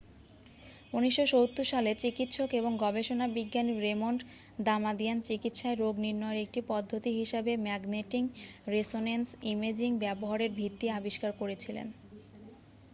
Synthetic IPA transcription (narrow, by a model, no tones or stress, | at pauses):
uniʃːoʃowt̪ːuʃalet͡ɕikit̪ʃokeboŋɡɔbeʃonabiɡːaniɾemoɳʈ | d̪amad̪iant͡ɕikit̪ʃaeɾoɡniɾnɔjoek̚ʈipɔd̪ʱːot̪iɦiʃebemɛɡneʈiŋɾesonensimed͡ʑiŋbɛboɦaɾeɾbʱit̪ːiabiʃkaɾkoɾet͡ɕʰilḛn